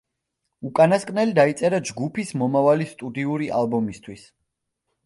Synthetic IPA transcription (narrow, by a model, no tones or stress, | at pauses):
ukʼanaskʼnɛlid̪ait̪sʼɛɾad͡ʒɡupʰismɔmavalist̪ʼud̪iuɾiʔalˠbɔmist̪ʰwis